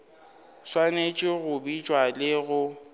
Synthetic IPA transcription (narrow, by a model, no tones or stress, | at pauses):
swanet͡ʃʼɪɣʊbit͡ʃʼwalɪɣʊ